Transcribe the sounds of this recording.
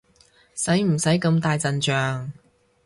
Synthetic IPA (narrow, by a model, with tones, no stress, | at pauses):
sɐ˨˥jm̩˨˩sɐ˨˥jkɐ˧mt̪aː˧jt͡sɐ˨nt͡ʃœː˨˧ŋ